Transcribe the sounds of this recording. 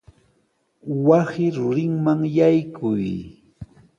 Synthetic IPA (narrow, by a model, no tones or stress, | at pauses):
wasɪɾʊɾɪŋmaŋjajkʰʊj